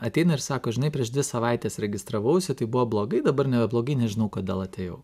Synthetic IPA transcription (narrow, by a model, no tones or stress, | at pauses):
ɐt̪ʲɛɪnɐɪɾsɑːkoːʒʲɪnɐɪpʲɾʲiɛʃd̪ʲʋʲɪsɐʋɑɪt̪ʲeːsɾʲɛɡʲɪst̪ɾɐʋɐʊsʲɪt̪ɐɪbuʋoːblˠoːɡɐɪd̪ɐbɐɾnʲɛbʲɛblˠoːɡɐɪnʲɛʒʲɪnɐʊkoːd̪ʲeːlˠɐt̪ʲeːjɛʊ